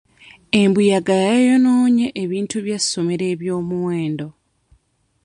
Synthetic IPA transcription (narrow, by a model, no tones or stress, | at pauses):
e̞mbujaɡajajo̞noːɲeʔeβiːntuβjasːomeɾe̞ːβjo̞ːmuweːndo̞